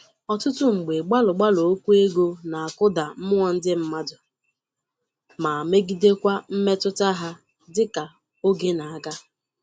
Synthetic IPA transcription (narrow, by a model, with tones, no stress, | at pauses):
ɔ˨tʊ˦tʊ˦ŋ͡m̩˨ɡ͡be˨ɡ͡ba˦lʊ˨ɡ͡ba˦lo˨o˦kʷu˦e˦ɡo˦na˨a˨kʊ˦da˨m̩˦m˦ŋɔ˨n̩˦dɪ˦m̩˦ma˦dʊ˨ | ma˨me˦ɡi˦de˦kʷa˦m̩˦me˦tʊ˦ta˦ɦa˦ | dɪ˦ka˨ | o˦ɡe˦na˨a˨ɡa˦